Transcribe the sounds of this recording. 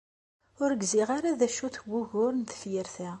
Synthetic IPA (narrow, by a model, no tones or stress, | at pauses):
ʊɾɡziʁaɾaðæʃuθɡʊʝʊɾnθə̥fjəɾθæ